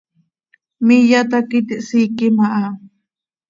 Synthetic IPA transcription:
mijat̪akit̪iʔsiːkimaʔa

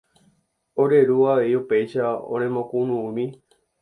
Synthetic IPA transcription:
oɾe̞ɾuaeiupe̞jʃaõ̰ñẽmõkũnũũmĩ

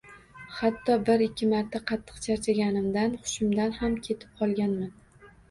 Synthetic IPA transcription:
hat̪ʰːɒbɪɾɪkʲʰːɪmaɾt̪ʰaqʰɑt̪ʰːɨ̥qt͡ʃʰaɾt͡ʃʰaɡʲanɪmd̪anχʊ̥ʃɪmd̪anhamkʲʰe̞t̪ʰɪ̥p̚qʰɒlˠɡʲanman

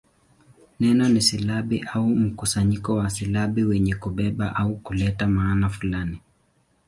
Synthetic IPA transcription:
nɛnɔnisilaɓiʔaum̩kusaɲikɔwasilaɓiwɛɲɛkuɓɛɓaʔaukulɛtamaːnafulani

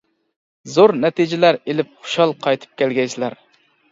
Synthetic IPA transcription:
zoɾnɛt̪ʰɪd͡ʒɪlæɾelɪp̚χʊ̥ʃɑlˠqʰɑjt̪ʰɨ̥p̚kʲʰɛlɡʲɛjslæɾ

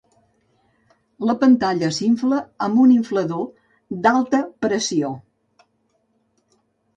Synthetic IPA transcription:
ləpənt̪aʎəsiɱfləəmbuniɱfləðo | d̪alˠt̪əpɾəsio

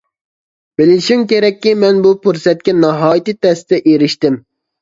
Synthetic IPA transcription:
b̥ɪlɪʃimkʲeɾɛkʲːimɛnbupʰuɾsɛt̪̚kʲɛnɑɦɑːjit̪it̪ʰɛst̪ɛʔeɾɪʃt̪ɪm

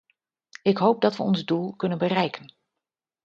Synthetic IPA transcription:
ɪkɦowp̚dɑtʋəɔnzdulˠkɵnənbərɛjkən

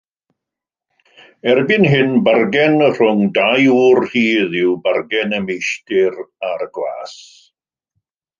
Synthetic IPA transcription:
ɛrbɪnɦɪnbarɡɛnər̥ʊŋdajuːrhiːðɪwbarɡɛnəmejʃtɪɾarɡla̰ːs

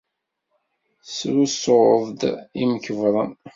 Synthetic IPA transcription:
sɾusoðˤd̪iməkəvɾˤən

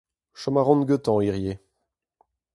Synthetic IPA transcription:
ʃɔmaʁɔ̃nɡøt̪ɑ̃iʁje

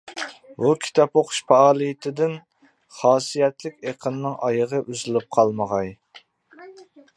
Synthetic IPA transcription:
bukʲʰi̥t̪ʰɑpoqʰʊ̥ʃpʰɑɑːlˠɨjɪt̪ʰɪd̪ɪn | χɑːsijɛt̪lɪkʲeqʰənːɪŋʔɑjəʁəʔyzɪlɪp̚qʰɑlˠməʁɑj

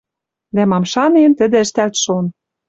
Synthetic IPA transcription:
d̪æmɑmʃɑnent̪ə̆d̪ĕəʃt̪ælt̪ʃon

